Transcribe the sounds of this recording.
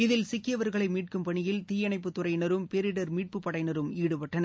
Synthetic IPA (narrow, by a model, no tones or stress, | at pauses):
ɪðɪlsɪkːɪjɐʋɐɾɣɐɭɐɪmiːʈ̚kɯmpɐɳɪjɪlt̪iːjɐnɐɪp̬ːɯt̪ːʊɾɐɪnɐɾɯmpeɾɪɽɐɾmiːʈ̚pɯpːɐɽɐɪnɐɾɯmiːɽɯpɐʈːɐnɐ